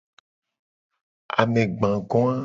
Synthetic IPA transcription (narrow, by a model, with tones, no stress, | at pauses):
a̰˨mẽ˨ɡ͡bã˨ɡɔ̃˦ã˦